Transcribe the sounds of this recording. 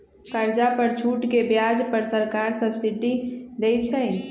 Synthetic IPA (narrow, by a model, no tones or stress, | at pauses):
kəɾd͡ʒapəɾt͡ʃʰuʈkebjad͡ʒpəɾsəɾkaɾsəbsiʈid̪ɛjt͡ʃʰəɪ